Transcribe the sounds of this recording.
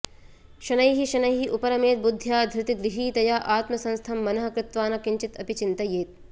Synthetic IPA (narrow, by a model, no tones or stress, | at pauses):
ʃɐnɐjɦiʃɐnɐjɦiʔupɐɾɐmeːt̪̚bud̪ʱːjaːd̪ʱɾɪt̪iɡɾɪɦiːt̪ɐjaːʔaːt̪mɐsɐ̃nst̪ʰɐmːɐnɐɦɐ̆kɾɪt̪ʋaːnɐkiɲt͡ʃit̪ɐpit͡ʃint̪ɐjeːt̪̚